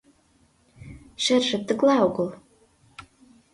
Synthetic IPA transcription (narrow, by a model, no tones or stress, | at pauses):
ʃĕrʒɘ̆t̪ə̆klɑoɣɤ̆l